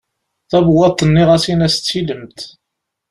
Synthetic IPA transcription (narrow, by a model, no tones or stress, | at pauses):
θæbwɑˤt̪ˤːənːiʁæsinæst͡sːiləmt̪